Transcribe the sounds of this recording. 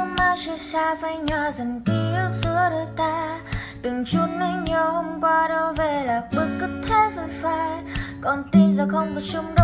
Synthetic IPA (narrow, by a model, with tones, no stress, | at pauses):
ə˧maː˧˦su˧saː˧və˧˦jɲwaː˨˩zə˨˩nki˧˦ʔɨ˦˥ək̚sɨ˧˦əɗəː˧˦t̪aː˧ | t̪ɨ˨˩ŋt͡ɕu˧˦n̚nə˨˧˦ɲɔ˧hŋ͡mkwa˧ɗo˧ve˨˩laː˨˩ki˧˦ŋkɨ˦˥k̚t̪ʰːe˧˦və˧˩fa˧˦kɔ˨˩nt̪i˧nzɔː˨˩xə˧wŋ͡mkɔ˨˩t͡ɕʊ˧ŋ͡mɗ